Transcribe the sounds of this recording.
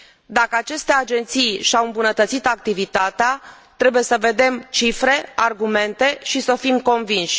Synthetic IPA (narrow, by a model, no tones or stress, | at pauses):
d̪akəat͡ʃe̞st̪e̞ad͡ʒe̞nt̪sijʃawɨmbunət̪ət̪sit̪ak̚t̪ivit̪at̪ea | t̪ɾe̞buje̞səve̞d̪e̞mt͡ʃifɾe̞arɡume̞nt̪e̞ʃisəfimko̞nvinʃʲ